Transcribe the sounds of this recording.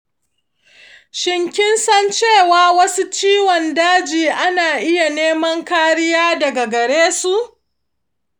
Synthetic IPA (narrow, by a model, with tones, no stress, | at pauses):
ʃɪ˦ŋkʲɪ˦nsɐ˦nt͡ʃeː˦˨waː˨wɐ˦su˦t͡ʃiː˦wɔ˨ndaː˦d͡ʒiː˨ʔa˦naː˨ʔɪ˦ja˨neː˦mɐ˦ŋkaː˦ɾɪ˦jaː˦dɐ˨ɡa˨ɡɐ˨ɽeː˦su˨ʔ